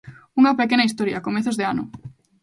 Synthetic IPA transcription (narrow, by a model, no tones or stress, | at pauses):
uŋɐpekenɐais̬t̪oɾjɐkomeθozðeanʊ̰